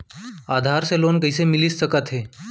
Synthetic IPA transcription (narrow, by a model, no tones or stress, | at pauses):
ad̪ʱaɾselonkəisemilisːəkat̪ɦe